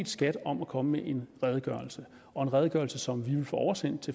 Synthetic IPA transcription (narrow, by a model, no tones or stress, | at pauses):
d̥sɡ̥æd̥ɒ̽mækʰɒ̽məmeʔe̝nʁɛð̞ˠɡ̥ɶɐlsə | ɒ̽e̝nʁɛð̞ˠɡ̥ɶɐlsəsɒ̽mʋiʋe̝lfɔ̰ɒʊɐsen̰d̥t͡sʰe̝